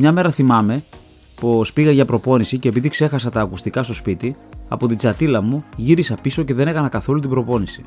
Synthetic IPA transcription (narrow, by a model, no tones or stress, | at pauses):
mɲɐme̞ɾɐθimɐme̞ | po̞spiɣɐʝɐpɾo̞po̞nisice̞ːpiðikse̞xɐsɐt̪ɐːkust̪ikɐst̪o̞spit̪iɐ̰po̞t̪id͡zɐt̪ilɐmuʝiɾisɐpisoce̞ðe̞ne̞kɐnɐkɐθo̞lut̪ibɾo̞po̞nisi̥